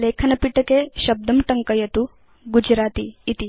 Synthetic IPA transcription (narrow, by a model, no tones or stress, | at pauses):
leːkʰɐnɐpiʈɐkeʃɐb̚d̪ɐmʈɐŋkɐjɐt̪u | ɡud͡ʒɾaːt̪iːt̪i